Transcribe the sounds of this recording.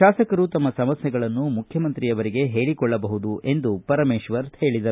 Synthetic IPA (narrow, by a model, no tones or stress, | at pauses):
aːsɐkɐɾut̪ɐmːɐsɐmɐsjɛɡɐɭɐnːumukʰjɐmɐnt̪ɾijɐʋɐɾiɡe̞ɦe̞ːɭikɔɭːɐbɐɦud̪uʔe̞nd̪upɐɾɐmeːʃʋɐɾhe̞ːɭid̪ɐ